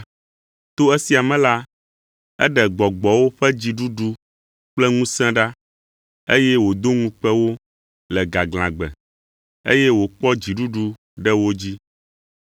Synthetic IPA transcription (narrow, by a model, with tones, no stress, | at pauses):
t̪o˦ɛ˦si˦a˨mɛ̃˦la˦ | ɛ̰˦ɖɛ˨ɡ͡bɔ˨ɡ͡bɔ˨wo˦ɸɛ˦d͡ʑi˨ɖu˦ɖu˦ | k͡plɛ˦ŋũ˦sɛ̃˦ɖa˦ | ḛ˦jɛ˦wo˨d̪o˦ŋũ˦k͡pɛ˦wo˦ | lɛ˨ɡa˨ɡl̃ã˨ɡ͡bɛ̰˨ | ḛ˦jɛ˦wo˨k͡pɔ˦d͡ʑi˨ɖu˦ɖu˦ | ɖɛ˦wo˦d͡ʑi˦